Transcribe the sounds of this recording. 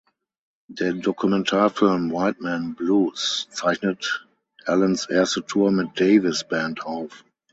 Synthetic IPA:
dədɔkʰumɛ̃ntʰaːfɪlmwaɪt̚mɛ̃nbluːst͡saɪçnət | ʔɛlə̃nsɛɐstətʰuːɐmɪt̚d̥eɪvɪsb̥æ̃ntʰaʊf

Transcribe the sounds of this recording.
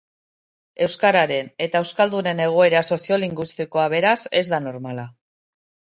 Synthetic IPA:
e̞wskaɾaɾe̞ne̞t̪aewskald̪une̞ne̞ɣ̞o̞e̞ɾaso̞sio̞liŋɡwist̪iko̞aβe̞ɾase̞zd̪ano̞ɾmala

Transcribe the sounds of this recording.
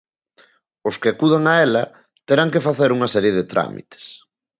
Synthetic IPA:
ʊskɪakuðaŋaɛlɐ | t̪eɾaŋkefaθeɾuŋɐsɛɾjeðet̪ɾa̰mḭt̪e̥s

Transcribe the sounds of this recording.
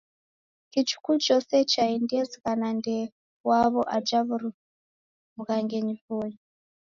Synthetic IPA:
kit͡ʃu̥kut͡ʃɔsɛt͡ʃaindɛzikanande | waβɔʔad͡ʒaβuɾu | mukaŋɡeɲivuɲi

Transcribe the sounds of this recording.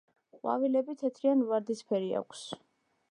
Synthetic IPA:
qʼwa̰vilɛbit̪ʰɛt̪ʰɾianvaɾd̪ispʰɛɾia̰kʷʰs

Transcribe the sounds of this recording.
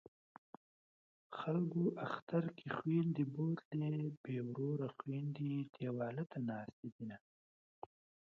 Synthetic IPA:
xalɡoʔaxt̪aɾkʰixwind̪ibot̪lebewɾoɾaxwind̪id̪ewɑːlat̪anɑːst̪id̪ina

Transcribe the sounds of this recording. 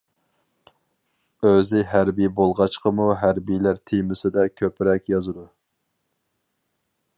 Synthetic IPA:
øzɪɦæɾbijbolˠʁɑt͡ʃqəmuɦæɾbijlæɾt̪ʰemɪsɪd̪ɛkʲʰøpɾɛkʲjɑzɨd̪u

